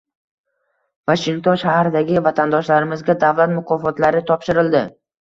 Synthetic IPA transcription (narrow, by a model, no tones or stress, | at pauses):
vaʃɪŋt̪ʰɔnʃahɾɪd̪aɡʲɪvat̪ʰand̪ɒʃlaɾɪmɪzɡʲad̪avlat̪mʊqʰɒfɒt̪laɾɪt̪ʰɒpʃɪɾɪld̪ɪ